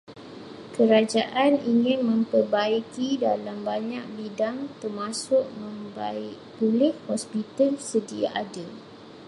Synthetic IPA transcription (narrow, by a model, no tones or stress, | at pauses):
kəɾad͡ʒaʔaniŋɪ̃nmə̃mpərbaikidalambaɲak̚bidaŋt̪ərmasʊʔ̚mə̃mbaɪʔpulɪhhɔspit̪alsədia̰ʔadə